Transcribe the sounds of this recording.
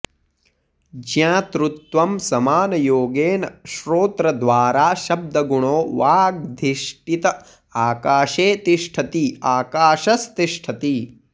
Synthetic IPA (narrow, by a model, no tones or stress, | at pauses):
d͡ʒjãːt̪ɾut̪ʋɐmsɐmaːnɐjoːɡeːnɐʃɾoːt̪ɾɐd̪ʋaːɾaːʃɐb̚d̪ʱɐɡuɳoːʋaːɡ̚d̪ʱiʃʈit̪ɐ | aːkaːʃeːt̪iʂʈʰɐt̪iaːkaːʃɐst̪iʂʈʰɐt̪i